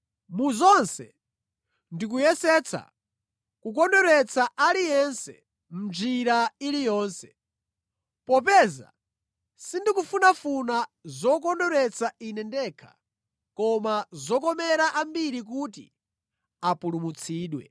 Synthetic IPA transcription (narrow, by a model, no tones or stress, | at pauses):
muzɔnsɛ̰ | ndik̬ujɛsɛt͡sʰa̰ | kukɔndɔɾɛt͡sʰaʔalijɛnsɛ̰ | m̩d͡ʒiɾailijɔːnsɛ̥ | pɔp̬ɛza̰ | sindikufunafunazɔkɔndɔɾɛt͡sʰainɛndɛːkʰḁ̰ | kɔmazɔkɔmɛɾaʔambiɾik̬utḭ | apulumut͡sʰiːɗwɛ̰